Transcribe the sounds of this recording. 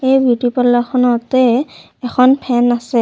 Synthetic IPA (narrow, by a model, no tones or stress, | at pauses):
ejbʱutipɔlɔkʰɔnɔtɛː | kʰɔnpʰɛnasɛ